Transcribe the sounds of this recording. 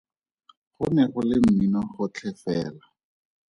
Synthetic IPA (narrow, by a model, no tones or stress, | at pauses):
χʊnɛχʊlɪm̩minɔχʊt͡ɬʰɛfɛːla